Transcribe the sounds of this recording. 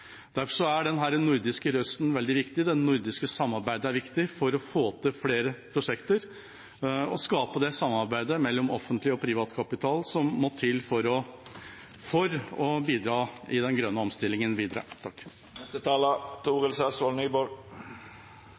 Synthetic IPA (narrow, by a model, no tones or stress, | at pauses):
d̪æɾfɔʂɔæɖɛnɦæːɾənʊɾd̪ɪskəɾœst̪n̩ʋɛld̪ɪʋɪkt̪ɪd̪ɛnːʊɾd̪ɪskəsɑmːɑɾbæɪd̪əæɾʋɪkt̪ɪfɔɾɔfoːt̪ʰɪfleːɾəpʰɾʊʂɛkt̪əɾ | ɔskɑːpəd̪ɛsɑmːɑɾbæɪd̪əmɛlːɔmɔfːənt̪lɪɔpʰɾɪʋɑːt̪kʰɑpɪt̪ʰɑːlsɔmːɔt̪ʰɪlːfɔɾɔ | fɔɾɔbiːd̪ɾɑːɪd̪ɛnɡɾœnːəɔmst̪ɪlːɪŋənbiːd̪ɾɑ̰ːt̪ʰɑkː | nɛst̪ət̪ʰɑːlət̪ʰuːʁəlsɛsɑlnyːbɔ